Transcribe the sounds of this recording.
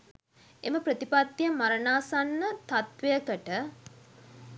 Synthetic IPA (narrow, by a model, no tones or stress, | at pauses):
eməpɾət̪ipat̪ːjəmaɾənaːsanːət̪at̪ʋejəkəʈə